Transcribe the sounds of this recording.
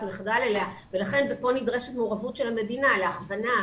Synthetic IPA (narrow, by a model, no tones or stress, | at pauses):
meχdalelea | ve̞laχe̞nbepo̞nidʁe̞ʃet̪meuʁavutʃe̞lame̞dinaleaχvana